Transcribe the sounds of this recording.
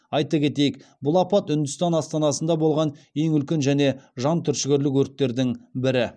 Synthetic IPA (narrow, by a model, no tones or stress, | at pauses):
ɑjt̪ɑkʲʰe̞t̪e̞jɪk̚bʊlˠɑpɑt̪ʏnd̪ʏst̪ɑnɑst̪ɑnɑsənd̪ɑbo̞lˠʁɑne̞ŋʏlkʲe̞nʒæne̞ʒɑnt̪ʰʏɾʃɪɡʲɪɾlɪkwɵɾt̪ːeɾd̪ɪŋbɪɾɪ